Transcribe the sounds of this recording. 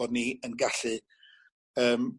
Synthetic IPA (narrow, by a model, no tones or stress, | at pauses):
ɔdniənɡaɬɨ | əːm